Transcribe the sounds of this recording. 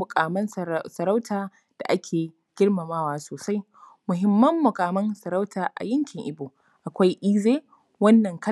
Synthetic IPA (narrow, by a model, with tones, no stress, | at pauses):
ʊ˨kʼaː˨mɐ˦nsɐ˨ɾa˦wtʰaː˨ | d̥a̰˨ʔa˦kʲʰeː˨ | ɡ̥ʲɪ˦ɽmɐ˨maː˦waː˦soː˨sa˦j | mʊ˨ɦɪ˦mːɐ˦mːʊ˨kʼaː˨mɐ˦nsɐ˨ɾa˦wtaː˨ʔa̰˨jɪ˦ŋkʲɪ˨ŋʔɪ˨bu˨ | ʔa˨kʷa˦jʔiː˦zeː˦ | wɐ˦nːɐ˨ŋkɐ˦